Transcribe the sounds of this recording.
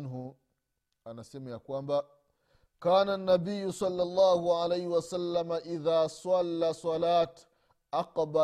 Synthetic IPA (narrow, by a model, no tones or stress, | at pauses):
nɦu | anasɛmajakwamba | kaːnanːabijːusˤɑlːɑlˤːɑːhuʕalajhiwasalːamaʔiðaːsˤɑlːasˤɑlaːt̪ | ʔaqba